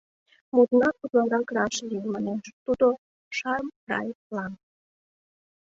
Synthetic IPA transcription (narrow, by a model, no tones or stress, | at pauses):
mut̪nɑt̪ut̪lɑɾɑkɾɑʃlimɑneʃt̪ud̪o | ʃɑrmrɑ̰jlɑn